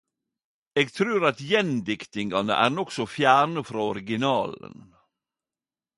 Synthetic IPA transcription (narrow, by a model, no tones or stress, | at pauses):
eːɡt̪ʰɾʉːɾɑt̪jɛnd̪ɪkt̪ɪŋɡɑnə̰ʔæ̰ːɾnɔksɔfjæːɳəfɾɑːɔɾɪɡɪnɑːlə̰n